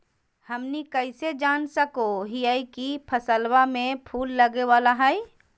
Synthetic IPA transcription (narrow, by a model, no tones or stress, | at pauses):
hɐmnikəɪsed͡ʒaːnsəkoɦijaikipʰəsəlwamẽpʰuːlːəɡeʋaːlaɦɛi